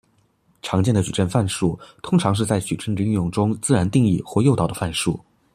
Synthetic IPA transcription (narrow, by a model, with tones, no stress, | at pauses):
ʈ͡ʂʰɑ˧˥ŋt͡ɕjɛ˥˩nd̪ə˩ʈ͡ʂu˨˩ʈ͡ʂə˥˧nfa˥˧nʂu˥˩t̪ʰʊ˥ŋʈ͡ʂʰɑ˧˥ŋʂ̬ɻ̩˥˧t͡sa˥˩ɪt͡ɕy˨˩ʈ͡ʂʰə˥nʈ͡ʂy˧˥˧jʊ˥˩ŋʈ͡ʂʊ˥ŋt͡sɹ̩˥˩ɻa˧˥nt̪i˥˧ŋi˥˩xwɔ˥˧jo˥˩ʊt̪ɑ˨˩ʊd̪ə˦fa˥˧nʂṵ˥˩